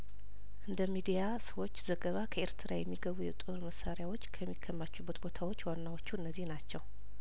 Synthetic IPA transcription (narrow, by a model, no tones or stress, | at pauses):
ʔɨnd̪əmid̪ijasəwo̞t͡ʃːzəɡəβakʰəeɾt̪ʰɨɾajɛmːiɡəβujɛt̪ʼɨɾməsaɾjawo̞t͡ʃːkʰəmːikʰːəmːat͡ʃːubːət̪bo̞t̪ʰawot͡ʃːwanːawot͡ʃːuɨnːəzːihnat͡ʃːɛw